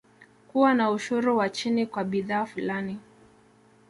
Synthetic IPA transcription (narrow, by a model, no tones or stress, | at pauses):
kuwanauʃuɾuwat͡ʃinikwaɓiðaːfulani